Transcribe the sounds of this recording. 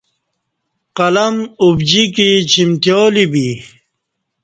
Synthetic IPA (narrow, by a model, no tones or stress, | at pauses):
qɐlɐmubd͡ʑikit͡ɕʰimt̪joːlibi